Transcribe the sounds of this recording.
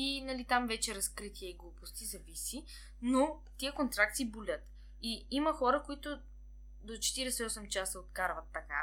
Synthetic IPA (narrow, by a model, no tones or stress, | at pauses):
inɐlit̪amvɛt͡ʃɛɾɐskɾit̪iɛiɡlˠupost̪izɐvisi | no | t̪iəkont̪ɾak̚t̪sibolʲət̪ | iiməxɔɾəkoit̪ʊ | d̪ot͡ʃɛ̥t̪iɾɛsɛɔsɛmt͡ʃasəot̪kaɾvɐt̪ːɐka